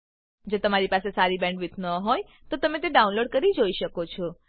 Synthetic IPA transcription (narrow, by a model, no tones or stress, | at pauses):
d͡ʒot̪əmaɾipasesaɾibɛ̃ɳɖʋɪt̪ʰnəɦoj | t̪ot̪əmẽt̪eɖaũnloɖ̚kəɾid͡ʒoiʃəkot͡ʃʰɔ